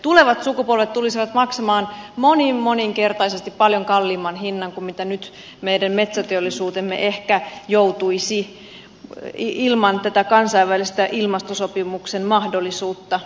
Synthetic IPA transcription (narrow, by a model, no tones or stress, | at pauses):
t̪uleʋɑt̪sukupolʋet̪t̪ulisiʋɑt̪mɑksemɑːnmonimmoniŋkert̪ɑisest̪ippɑljoŋkɑlːiːmɑnɦinːɑŋkummit̪ænyt̪ | meidæmmet̪sæt̪eolːˑisuːt̪emːḛʔehkæjout̪uisi | ilmɑnt̪æt̪ækɑnsɑiʋʋælist̪æʔilmɑst̪osopimuksenmɑhdolːˑisuːt̪ːɑ